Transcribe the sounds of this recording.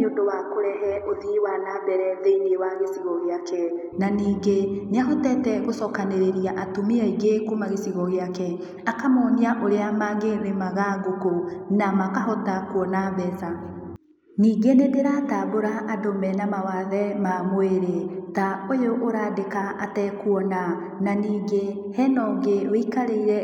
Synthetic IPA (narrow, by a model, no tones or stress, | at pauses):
ondowakoɾɛɦɛoðiwanaːbɛɾɛðeinewaɣesiɣɔɣeakɛ | naniːɡeneaɦɔtɛtɛɣosɔkaneɾeɾijaʔatomiɛiɡekumaɣesiɣɔɣeakɛ | akamɔniaʔoɾeamaɣeɾemaɣaɡokonamakaɦɔtakwɔnaβɛsa | niːɡenedeɾataboɾaʔːdomɛnamawaðɛmamoeɾetaojoʔːɾaːdekaatɛkwɔna | naniːɡe | hɛnɔɡeɾwikaɾeiɾɛ